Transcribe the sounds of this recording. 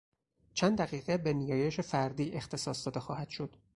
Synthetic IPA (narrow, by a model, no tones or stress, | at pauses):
t͡ʃʰænd̪d̪æɣiːɣebe̞nijɒːje̞ʃefæɾd̪iːʔe̞xt̪ʰe̞sɒːsd̪ɒːd̪e̞xɒːhæd̪̥ʃo̞d̪̥